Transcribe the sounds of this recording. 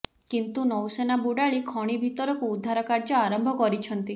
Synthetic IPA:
kint̪unɔwsenabuɽaɭikʰɔɽ̃ibʱit̪ɔɾɔkuːd̪ʱːaɾɔkaɾd͡ʒɔaɾɔmbʱɔkɔɾit͡ʃʰɔnt̪i

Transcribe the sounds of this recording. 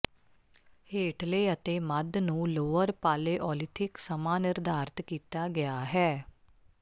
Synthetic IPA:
heːʈleːət̪eːməd̪nũːloːʋəɾpaːleːʔɔːlɪt̪ʰɪksəmaːnɪɾd̪ʱaːɾt̪kiːt̪aːɡɪjaːɦɛː

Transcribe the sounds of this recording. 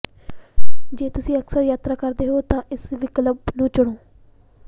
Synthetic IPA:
d͡ʒeːt̪ʊsĩːəksəɾjaːt̪ɾaːkəɾd̪eːɦoːt̪ãːʔɪsʋɪkləbnũːt͡ʃʊɽ̃oː

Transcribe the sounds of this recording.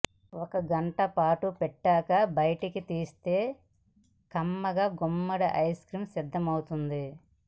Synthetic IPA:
ɔkɐɡɐɳʈɐpaːʈupɛʈːaːkɐbɐjɐʈikit̪iːst̪e̞ː | kɐmːɐɡaːɡumːɐɽɐʔɐjskɾiːmsid̪ʱːɐmɐwut̪und̪i

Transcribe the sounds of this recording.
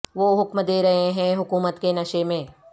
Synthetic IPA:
ʋoːɦʊkmd̪eːɾɐɦeɦɛ̃ɦʊkuːmət̪kenɐʃemẽː

